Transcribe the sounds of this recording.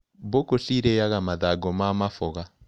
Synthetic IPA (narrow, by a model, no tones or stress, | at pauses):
bokoɬiɾejaɣamaðaɡɔmamafɔɣa